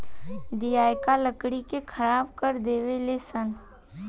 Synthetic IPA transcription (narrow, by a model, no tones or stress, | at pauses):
d̪ijaːjkaləkɽikekʰɐɾaːbkəɾd̪eːʋelesən